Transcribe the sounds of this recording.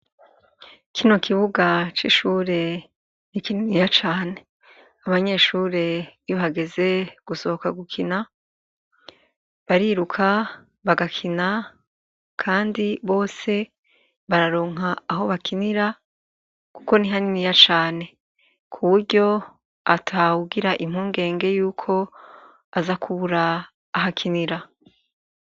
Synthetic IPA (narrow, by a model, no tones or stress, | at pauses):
kʰino̞kiβuɡat͡ʃḭʃuːɾe̞ | nikininijat͡ʃaːne̞ | aβaɲe̞ʃuːɾe̞joβaɡe̞ze̞ɡ̥uso̞hokaɡukʰina | βaɾiɾukʰa | βaɡakʰina | kʰaːndiβo̞ːse̞ | βaɾaɾo̞ːŋ̥aːɦo̞βakʰiniɾa | kuko̞niɦaninijat͡ʃaːne̞ | kʰuβuɾɟo̞ | atʰauɡiɾaʔim̥huːŋɡe̞ːŋɡe̞juːkʰo̞ | azakʰuβuɾaː | ɦakʰiniɾa